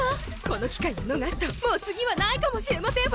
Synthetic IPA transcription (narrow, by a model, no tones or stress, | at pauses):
ko̞no̞kʲi̥kaiɲonoɡaɕi̥t̪amo̞ːt͡sɨɡʲiβanaikamo̞ɕiɾe̞masẽ